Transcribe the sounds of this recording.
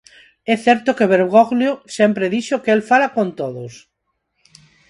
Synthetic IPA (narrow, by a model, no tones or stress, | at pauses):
ɛθɛɾt̪okeβeɾɣoɣljosempɾeðiʃokeelfalakõnt̪oðos